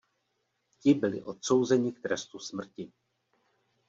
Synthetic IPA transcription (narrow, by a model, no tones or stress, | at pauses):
cɪbɪlɪ̰ʔo̞t̪so̞wzɛɲɪk̚t̪ɾɛst̪usmr̩cɪ